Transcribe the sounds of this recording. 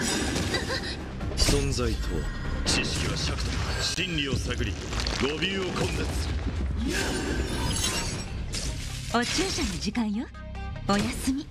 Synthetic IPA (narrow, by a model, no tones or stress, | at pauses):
sõ̞nzait̪ʰo̰ːt͡ɕiɕkʲiβaɕiakɯ̟̥t̪oɕĩnɾʲio̞saɡɯ̟ɾʲḭ | ɡobʲɨːokʰõnd̪at͡sɨ̥sɨɾɯ | ot͡ɕɨːɕanod͡ʑikãɰ̃jo | ojasɨmʲi